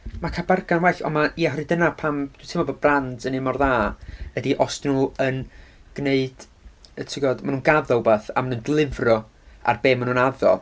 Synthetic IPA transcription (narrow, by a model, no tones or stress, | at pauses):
makʰabarɡanwɛɬɔ̰maʔiaɦɔrɨdənapʰamd̥itʰɪmɔbodbrandənɪmɔrðaːvɛdiʔɔstnuːənɡ̥neɨd̥ | ətʰɪɡɔd̥manuːnɡaðɔlˠbaːθa̰manuːndlˠɪvrɔ | a̰rbeːmːanuːnaðɔ̰